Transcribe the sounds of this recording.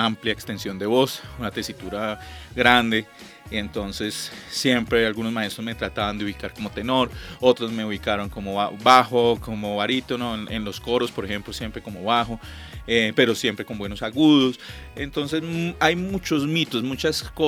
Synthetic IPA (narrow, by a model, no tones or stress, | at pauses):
ampljaekst̪e̞nsjo̞nd̪e̞βo̞sunat̪e̞sit̪uɾaɡɾand̪e̞ | ent̪o̞nse̞sːje̞mpɾealɣunozmae̞st̪ɾozme̞t̪ɾat̪aβand̪euβikaɾko̞mo̞t̪e̞noɾo̞t̪ɾozme̞uβikaɾo̞ŋko̞moabaxokomoβaɾit̪onoenlo̞sko̞ɾo̞spo̞ɾexe̞mplosje̞mpɾe̞ko̞moβaxo | epe̞ɾo̞sjempɾe̞ko̞mbwenosaɣuðosent̪o̞nsezajmut͡ʃo̞zmit̪o̞smut͡ʃasko